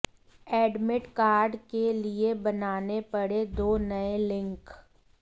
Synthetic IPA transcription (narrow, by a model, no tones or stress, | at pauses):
ɛːɖmɪʈkaːɾɖkeliebɐnaːnepɐɽed̪oːnɐelɪ̃ŋk